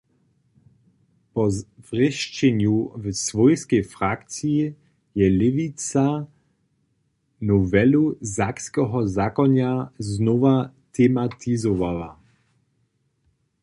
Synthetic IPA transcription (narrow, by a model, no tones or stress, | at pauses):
pɔvʁɪʃt͡ʃɛɲuvsvɔjskɛjfɾakt͡siji | jɛlɪvit͡sa | nɔvɛluzakskɔɦɔzakɔnaznɔvat̪ʰɛmat̪ʰizɔvawa̰